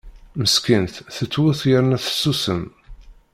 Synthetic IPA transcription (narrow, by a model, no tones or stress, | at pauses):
məskənt̪θət͡sːwʊθjəɾnæθə̥sːusəm